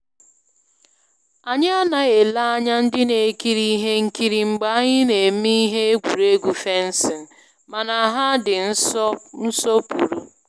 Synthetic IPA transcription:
a˨ɲ˦a˦na˨e˨la˦a˦ɲa˦n̩˦dɪ˦ne˨ki˦ɾi˦ɦe˦ŋ̩˦ki˦ɾi˨ŋ͡m̩˨ɡ͡ba˦a˦ɲɪ˦ne˨m̩˦i˦ɦe˦e˦ɡʷu˨ɾe˦ɡʷu˨fe˦n̩˦sɪ˨n̩˨ | ma˨na˨a˨ɦa˦dɪ˨n̩˦ɔ˦n̩˦sɔ˦pu˨ɾu˨

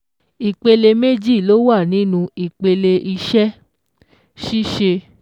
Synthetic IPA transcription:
i˨k͡pe˧le˧me˦d͡ʒi˦˨lo˦wa˦˨nĩ˨˦nũ˧i˨k͡pe˧le˧ʔi˧ʃɛ˦ | ʃi˦ʃe˧

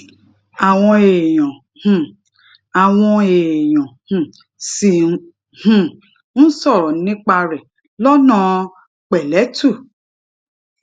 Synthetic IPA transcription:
a˨w̃ɔ̃˧e˨j̃ɔ̃˨ | hũ˨ | a˨w̃ɔ̃˧e˨j̃ɔ̃˨hũ˨ | si˨ | hũ˦˨ | ñ̩˦sɔ˦˨ɾɔ˨˦nĩ˦k͡pa˧ɾɛ˨ | lɔ˦nã˦˧ | k͡pɛ˨lɛ˨˦tu˦˨

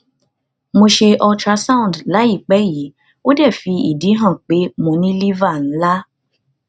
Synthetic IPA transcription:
mo˧ʃe˧ʔɔ˧tɾa˧sã˦ũ˨n˨dla˨˦i˦˨k͡pɛ˨˦ji˨˦ | o˦dɛ˦˨fi˧ḭ˨di˨˦ɦã˦˨k͡pe˨˦mõ˧nĩ˦li˦va˦˨n̩˨˦la˦

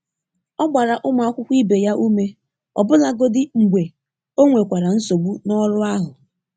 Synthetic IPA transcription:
ɔ˦ɡ͡ba˨ɾa˨ʔʊ˦ma˨a˦kʷʊ˦kʷi˦be˨ja˦ʔu˦me˦ | ɔ˨bʊ˦la˦ɡo˦dɪ˦ŋ͡m̩˨ɡ͡bʷe˨ | o˦ŋʷe˨kʷa˨ɾa˨n̩˦so˨ɡ͡bu˦nɔ˦ɾʊ˦a˦ɦʊ˨

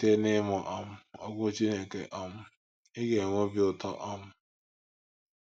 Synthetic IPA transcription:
te˦nɪ˦mɔ˨ʔa˦m̩˦ɔ˦ɡʷʊ˦t͡ʃi˦ne˨kḛ˨ʔa˦m̩˦ | ɪ˦ɡe˨ŋʷo˦bi˦ʊ˨tɔ̰˦ʔa˦m̩˦

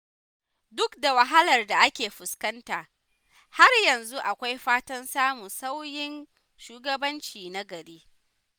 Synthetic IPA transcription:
dʊ˦kda˨wɐ˨ɦa˦lɐ˨rda˨ʔa˦kʲeː˨ɸʊ˨skɐ˦ntaː˨ | ha˦rjɐ˨nzu˦ʔa˨kʷa˦jɸaː˦tɐ˦nsaː˦mʊ˨sa˦wjɪ˦n | ʃuː˦ɡɐ˦bɐ˦nt͡ʃiː˨na˦ɡɐ˨ɾeː˦

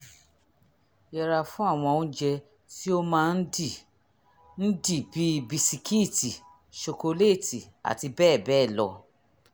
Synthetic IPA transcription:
jɛ˧ɾa˧fũ˦a˦˨w̃ɔ̃˧ũ˦d͡ʒɛ˧ | ti˦o˦mãː˦˧n̩˦di˨ | n̩˦di˦˨bi˨˦˧bi˧si˧ki˦˨ti˨ | ʃo˧ko˧le˦˨ti˨ | a̰˨ti˧bɛː˦˨bɛː˦˨lɔ̰˧

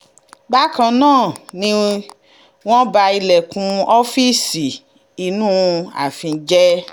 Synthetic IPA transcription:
ba˦kã˧nãː˦˨nĩ˧ | w̃ɔ̃˦ba˧i˧lɛ˨kũ˧ɔ˦fi˦si˨ | i˧nũ˦a̰˨fĩ˧˦d͡ʒɛ˦

